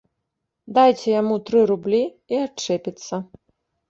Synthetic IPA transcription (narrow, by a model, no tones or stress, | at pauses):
d̪ajt͡sʲɛjamut̪ɾɨɾublʲi | iat͡ʂɛpʲit̪sːɐ